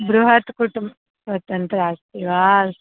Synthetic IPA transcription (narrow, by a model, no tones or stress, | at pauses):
bɾuɦɐt̪kuʈumb | sʋɐt̪ɐnt̪ɾaːst̪iʋaːl